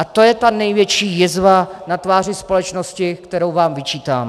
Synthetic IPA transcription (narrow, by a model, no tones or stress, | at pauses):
ʔat̪o̞jɛt̪anɛjvjɛt͡ʃiːjɪzvanat̪vaːr̝ɪspo̞lɛt͡ʃnoscɪkt̪ɛɾo̞wvaːmvɪt͡ʃiːt̪a̰ːm